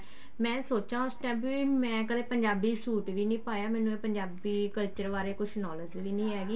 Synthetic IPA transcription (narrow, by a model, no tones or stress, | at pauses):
mɛ̃ːsoːt͡ʃãːʊsʈɛːpʋiːmɛ̃ːkəleːpəɲd͡ʒaːbiːsuːʈʋiːnĩːpaːjaːmɛ̃ːnũːeːpəɲd͡ʒaːbiːkəlt͡ʃəɾʋaːɾeːkʊʃʰnɔːləd͡ʒʋiːnĩːɦɛːɡiː